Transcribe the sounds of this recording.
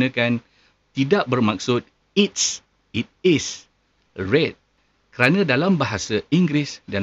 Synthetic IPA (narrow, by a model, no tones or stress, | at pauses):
nãkan | t̪idaʔ̚bərmãk̚sʊt̪̚ | it̪̚s | it̪̚ɪs | rɛt̪̚ | kəɾanãdalambaɦasaiŋɡɾisda